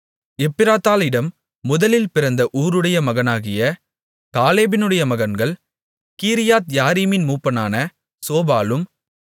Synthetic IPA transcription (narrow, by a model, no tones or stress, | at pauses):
ɛpːɪɾaːt̪ːaːlɪɽɐmː | ʊðɐlɪlpɪɾɐnd̪ɐʔuːɾɯɽɐjɐmɐɣɐnaːɣɪjɐ | kaːleːbɪnɯɽɐjɐmɐɣɐnɡɐɭ | kiːɾɪjaːt̪jaːɾiːmɪnmuːpːɐnaːnɐ | soːbaːlɯm